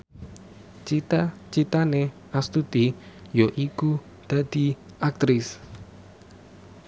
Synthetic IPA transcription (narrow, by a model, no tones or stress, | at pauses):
t͡ʃit̪at͡ʃit̪ane | ast̪ud̪̥ijoʔiku | d̪̥a̤d̪̥i | ak̚t̪ɾɪs